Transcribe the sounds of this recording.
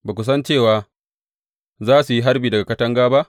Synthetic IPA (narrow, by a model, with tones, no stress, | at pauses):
baː˨kʷʊ˦s̬ɐ˦nt͡ʃeː˦˨waː˨˦ | zaː˦su˨ji˦ɦa˦ɾbiː˨dɐ˨ɡa˨kɐ˦tɐ˦ŋɡaː˦ba˦ʔ